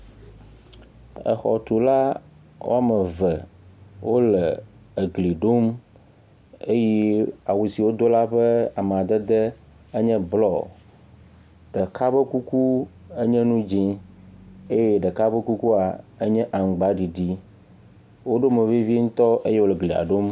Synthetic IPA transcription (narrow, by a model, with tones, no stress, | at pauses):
ə̰˨xɔ̰˨t̪u˨la˦ | wo̰˦a˦˨mə˨və˨wo˦lə˨ | e˨ɡli˨ɖo˦m | e˦jɛ˦a˨wu˨si˨wo˦d̪o˦la˦ɸɛ˦a˨m˨a˨d̪ə˦d̪ə˦ | ə˦ɲɛ̃˦blɔ˦˨ | ɖə˨ka˦bə˦ku˦ku˦ | ə˦ɲɛ̃˦nũ˦d͡ʒĩ˦ | e˦jɛ˦ɖə˨ka˦bə˦ku˦ku˦a˨ə˦ɲɛ̃˦ʔa˨ŋ̩˨ɡ͡ba˦ɖi˨ɖi˦ | wo˦ɖo˦mə˨vi˦vi˦ŋũ˦t̪ɔ˦ʔe˦je˦wo˦lə˨ɡli˨a̰˨ɖo˦m